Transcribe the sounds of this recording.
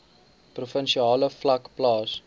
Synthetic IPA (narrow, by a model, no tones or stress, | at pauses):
prufənʃiɑːləflɐkplɑːs